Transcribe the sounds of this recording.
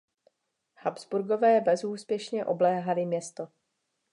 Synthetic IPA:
habz̥buɾɡo̞vɛːbɛzuːspjɛʃɲɛʔo̞blɛːɦalɪmɲɛst̪o

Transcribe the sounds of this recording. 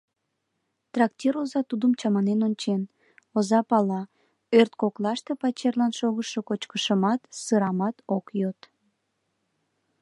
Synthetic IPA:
t̪rɑkt̪ʲiɾozɑt̪ud̪əmt͡ɕɑmɑnenonʲt͡ɕen | ozɑpɑlɑ | ørt̪koklɑʃt̪e̽pɑt͡ɕerlɑnʃoɣəʃokot͡ɕkəʃəmɑt̪sɨɾɑmɑt̪okjot̪

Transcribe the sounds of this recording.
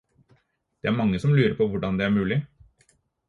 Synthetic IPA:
d̪̥ɛæɾmɑŋːəsɔmlʉːɾəpʰɔʋʊɖɑnd̪ɛæːɾmʉːlɪ

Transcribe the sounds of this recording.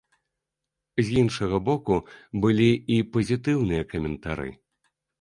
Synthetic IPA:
zʲjinʂɐɣɐbɔkubɨlʲiipɐzʲit̪ɨwnɨjɐkɐmʲɛnt̪aɾɨ̰

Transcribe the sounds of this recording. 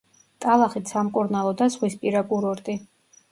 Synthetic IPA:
t̪ʼalˠaχit̪samkʼuɾnalˠɔd̪azʁwispʼiɾakʼuɾɔɾt̪ʼi

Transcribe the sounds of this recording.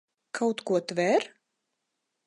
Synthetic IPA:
kʰawt̪kuɔt̪vɛɾ

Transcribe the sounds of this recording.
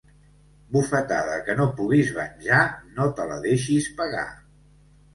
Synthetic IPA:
bufət̪aðəkənopuɣizβənʲʒanot̪ələ̰ðeʃispəɣa̰

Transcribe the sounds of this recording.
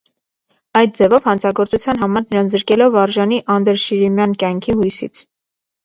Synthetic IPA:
ɑjt̪̚d͡zɛvɔvhɑnt͡sʰɑɡɔɾt͡sut͡sʰjɑn̪ɦɑmɑɾnəɾɑnt͡szəɾkɛlɔvɑɾʒɑniʔɑnd̪ɛɾʃiɾimjɑnkjɑŋkʰihujsḭt͡sʰ

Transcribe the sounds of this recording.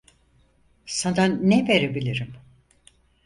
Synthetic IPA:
sanaːɛve̞ɾebilʲiɾim

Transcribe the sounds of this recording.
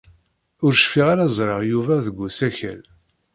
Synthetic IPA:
ʊɾʃfiʁaɾazˤɾˤɑʁjuvæðəɡʷːusæçə̰l

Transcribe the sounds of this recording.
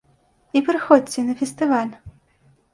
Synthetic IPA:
ipɾɨxɔdʲt͡sʲːɛnɐfʲɛst̪ɨvalʲ

